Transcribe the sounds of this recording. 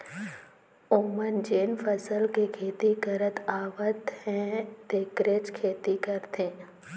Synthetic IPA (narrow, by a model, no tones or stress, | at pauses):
oːmənd͡ʒeːnfəsəlkekʰeːt̪ikəɾət̪aːʋət̪hɛ̃t̪ekɾet͡ʃkʰeːt̪ikəɾt̪ʰẽː